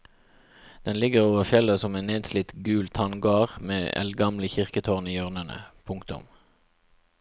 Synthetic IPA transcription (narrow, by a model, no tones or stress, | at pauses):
d̪̥ɛnlɪɡəʁoːʋəʁfjɛləsɔmɛːneːd̪slɪt̪ɡʉːlt̪ʰhɑnɡɑːʁmḛːɛ̰lɡɑmləçɪʁkət̪ʰoːʁniːøːʁnənə̰pʰʊŋkt̪ʊ̰m